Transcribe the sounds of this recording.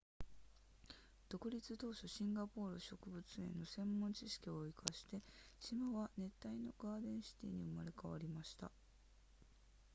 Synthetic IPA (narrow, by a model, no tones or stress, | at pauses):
d̪̥o̞kɯ̟ɾʲit͡sɨt̪o̞ːɕoɕĩŋɡapo̞ːɾɯ̟ɕo̞kɯ̟bɯ̟t͡sɨẽ̞nːo̞sẽ̞mːõ̞ɲt͡ɕiɕi̥kʲio̞ikʰaɕi̥t̪e̞ɕimaβane̞t̪ːaino̞̰ɡaːd̪ẽ̞ɰ̃ɕi̥t̪ḛːɲ̟iɯmaɾe̞kaβaɾʲimaɕi̥t̪a̰